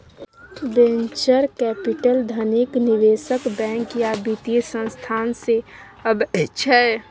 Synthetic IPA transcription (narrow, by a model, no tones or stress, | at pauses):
bẽnt͡ʃəɾkɛpiʈəld̪ʱənikniʋesəkbɛ̃ŋkjabit̪isə̃nst̪ʰaːnse | əbɪʃʰəɛ